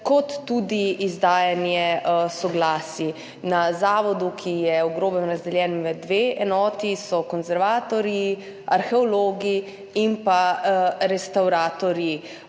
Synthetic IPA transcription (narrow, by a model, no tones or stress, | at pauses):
kɔt̪ːuːd̪iizd̪aːjanjɛsɔɡlaːsi | nazaːʋɔd̪ukʰijɛɔɡɾoːbɛnɾazd̪ɛljɛːnʋəd̪ʋeːʔɛnɔːt̪isɔkɔnzɛɾʋaːt̪ɔɾi | aɾxɛɔloːɡi | impaɾɛst̪awɾaːt̪ɔɾji